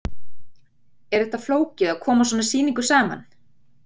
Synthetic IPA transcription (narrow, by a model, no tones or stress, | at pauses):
ɛɾɛht̪afloːwcɪðaðkʰɔːmaswɔːnasiːniŋkʏsaːma̰n